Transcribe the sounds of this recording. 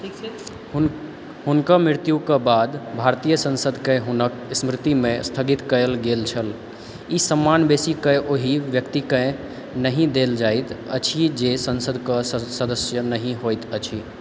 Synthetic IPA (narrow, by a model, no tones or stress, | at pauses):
hunkəmɪɾt̪jukebad̪bʱaɾt̪ijəsə̃nsəd̪ʱkeɦunəksmɾɪt̪imẽst̪ʰəɡit̪kəlɡelt͡ʃʰəl | isəmːanbesikəʔoɦiʋjəkt̪ikə̃ | nəɦĩd̪eld͡ʒajt̪ət͡ʃʰid͡ʒesənsəd̪ʱkəssəd̪əsjənəɦĩɦojt̪ət͡ʃʰi